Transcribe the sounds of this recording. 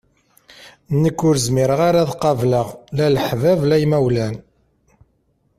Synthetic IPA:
nːəkːʊɾəzmiɾəʁaɾaðqːɑvləʁlæləħvævlæjmæwlæn

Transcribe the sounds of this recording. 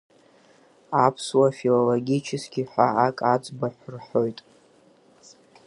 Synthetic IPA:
apʰswafiloloɡʲit͡ʃʰɪskʲʰʼiħʷaakʼad͡zʼbaħʷʊrħo̞jtʼ

